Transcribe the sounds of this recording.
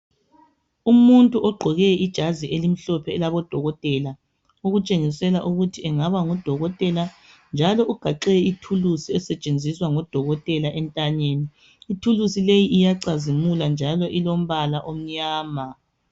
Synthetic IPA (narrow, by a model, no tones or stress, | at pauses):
umuntʼuʔɔɡ͡ǃʱɔɣɛid̥ʒ̥ʱaziʔelim̩ɬɔpʰɛːlaβɔd̥ʱɔɣɔtʼɛla | oɣut͡ʃʼeŋisɛlaʔuɣutʰiɛŋaβaŋɔd̥ʱɔɣɔtʼɛland͡ʒʱalɔʔuɡ̥ʱaǃɛitʰulusiɛsɛt͡ʃʼend͡zʱiswaŋɔd̥ʱɔɣɔtʼɛlaʔɛntʼaɲeːniː | tʰulusilejiʔijaǀazimuland͡ʒʱalɔʔilom̩βalaʔom̩ɲaːma